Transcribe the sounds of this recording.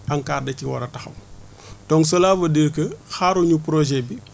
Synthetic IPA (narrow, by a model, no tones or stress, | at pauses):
ɐŋkaːrdɐciwɔ̰ɾɐtɐxɐ̰w | tɔŋs̬ɔlaːfɐdiɾkəxaːɾuɲupɾɔʒɛbi